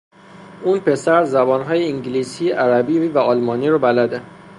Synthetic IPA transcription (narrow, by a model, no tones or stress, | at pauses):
unpʰe̞sæɾzæbɒːnɦɒːjeiŋɟilisiʔæɾæbiːvæɒːlmɒːniːɾɔbælæd̪e